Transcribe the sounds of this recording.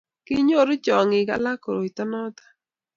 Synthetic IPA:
kɪ˦ɲo˦ɾʊ˦t͡ʃɔ˨ŋɪ˨ɡa̰˦la˦ko˨ɾo˨i˨t̪ɔ˦nɔ˦t̪ḁ˦

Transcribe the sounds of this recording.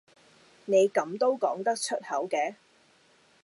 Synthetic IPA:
ne˨˧jkɐ˨˧˥mt̪o˥wkɔː˨˥ŋt̪ɐ˥k̚t͡ʃʰɵ˥t̚hɐ˨˥wkɛː˧˥

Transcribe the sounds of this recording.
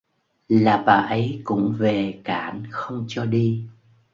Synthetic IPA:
laː˨˩ɓaː˨˩ʔə˨˦jkʊ̰˧˥ŋ͡mve˨˩kaː˧˩nxə˧wŋ͡mt͡ɕɔ˧ɗi˧

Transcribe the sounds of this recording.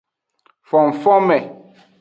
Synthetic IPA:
fɔ˨m̩˨fɔ˦mɛ˨

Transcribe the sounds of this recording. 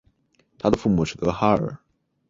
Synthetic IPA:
t̪ʰa˥d̪ə˨fu˥˩mu˨˩ʂɻ̩˥˩t̪ɤ˧˥xa˥ə̰˞˨˩˦

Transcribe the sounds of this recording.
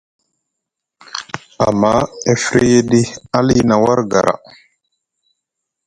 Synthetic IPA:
a˨mːa˦e˦fɾe˦je˦ɗi˦a˦li˦na˨wa˦ɾɡa˨ɾa̰˨

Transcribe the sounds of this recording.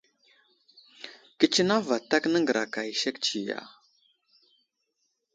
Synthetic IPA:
kə˦t͡ʃi˦na˦va˨ta˦knə˦ŋɡə˨ɾa˨ka˨i˨ʃe˦kt͡ʃi˨ja̰˨

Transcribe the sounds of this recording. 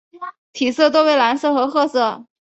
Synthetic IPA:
t̪ʰi˨˩sɤ˥˧t̪̬o˥˧we˥˩ɪla˧˥nsɤ˥˩xɤ˧˥xɤ˥˧sɤ˥˩

